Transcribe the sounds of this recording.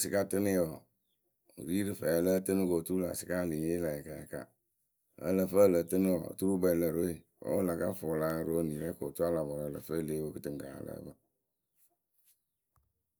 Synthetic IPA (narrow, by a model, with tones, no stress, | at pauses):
si˦ka˦tɨ˦nɪ˦jɔ˨ | ɾi˦ɾɨ˨fɛ˨lə˦tɨ˦nɨ˦ko˨tu˦u˦la̰˨si̥˨ka˦˨li˨ɲe˦la˨a˨ka˨ja̰˨ka̰˦ | ə̰˦lə˨fə˦lə˨tɨ˦ni˦ɔ̰˨tu˦ɾu˦bɛ˨lə˨ɾe˦˨ | o̰˨˦wo˦la˨ka̰˦fo˨la˦˨ɾo˦ni˨ɾɛ˦ko˨tu˦a˦la˨bɔ˨ɾa˨lə̰˨fə˦˨le˦wo˦kɨ˦tɨ˨ŋɡa̰˨˦lə̰˨˦bə˦